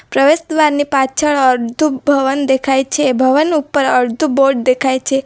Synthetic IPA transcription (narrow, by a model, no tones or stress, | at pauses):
pɾəʋesd̪ʋaɾnipat͡ʃʰəɭəɾd̪ʱubʱəʋənd̪ekʰajt͡ʃʰebʱəʋənupːəɾəɾd̪ʱuboɾɖ̚d̪ekʰajt͡ʃʰe